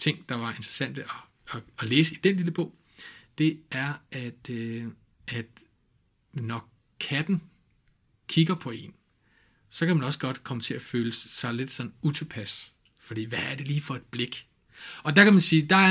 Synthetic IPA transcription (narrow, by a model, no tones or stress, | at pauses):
t͡sʰe̝ŋ̰d̥ɑ̈ʋɑ̈e̝nd̥ʁɐ̥sæn̰d̥əɒː | leːsəid̥enliləb̥ɔ̽ʊ̰ | d̥e̝æɐæd̥ | æd̥ | nɒ | kʰæd̥n̩ | kʰiɡ̥ɐpʰɒ̽e̝n | sɒ̽kʰæmænɒ̽sɡ̥ɒ̽d̥kʰɒ̽mət͡sʰe̝æføːləsɑ̈ɪle̝d̥sɒ̽nn̩ut͡sʰupʰæs | fɒ̽d̥ḭːʋææɐd̥e̝liːfɒ̽e̝d̥̚b̥le̝ɡ̥ | ɒ̽d̥ɑ̈kʰæmænsiːd̥ɑ̈æɐ